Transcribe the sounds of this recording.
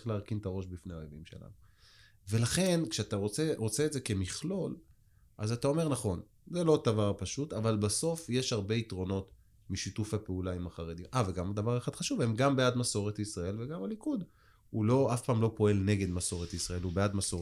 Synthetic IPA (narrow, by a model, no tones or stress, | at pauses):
χleaʁkint̪aʁo̞ʃbifneaojevimʃe̞̰la̰nu | ve̞laχe̞nkʃeat̪aʁot͡seʁo̞t͡se̞ːtze̞ke̞miχlo̞l | ʔazat̪ao̞me̞ʁnaχo̞n | zelo̞d̪avaʁpaʃut̪avalbaso̞fje̞ʃhaʁbe̞it̪ʁo̞no̞t | miʃitufhapeulaimaχaʁed̪imʔaveɡamad̪avaʁaχad̪̥χaʃuvemɡambead̪maso̞ʁet̪isʁae̞lveɡamalikud̪ | hulo̞afpaːmlo̞po̞e̞lne̞ɡe̞d̪maso̞ʁet̪isʁae̞lubead̪maso